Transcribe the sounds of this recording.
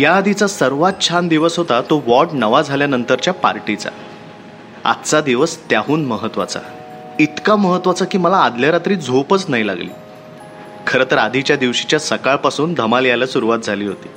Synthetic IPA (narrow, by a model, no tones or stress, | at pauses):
jaːd̪ʱit͡sasəɾʋat̪̚t͡ɕʰand̪iʋəsɦot̪at̪oʋɔʈnəʋad͡zʱaljanənt̪əɾt͡ɕjapa̰ɾʈit͡sa̰ | a̰t̪t͡sad̪iʋəst̪jaɦuːnməɦət̪ʋa̰t͡sa̰ | it̪kaməɦət̪ːʋat͡sakiːməlaːd̪ljaɾat̪ɾiːd͡zʱopət͡snaila̰ɡlḭː | kʰəɾət̪əɾad̪ʱit͡ɕjad̪iʋɕit͡ɕjasəkaɭpasuːnd̪ʱəmaljalasuɾuʋat̪̚d͡zʱaliːɦot̪iː